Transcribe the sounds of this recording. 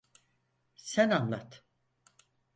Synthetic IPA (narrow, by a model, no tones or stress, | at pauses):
sænanlˠat̪